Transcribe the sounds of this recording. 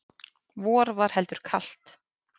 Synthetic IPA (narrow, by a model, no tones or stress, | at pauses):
vɔːɾvaɾ̥hɛlt̪ʏɾ̥kʰal̥t̪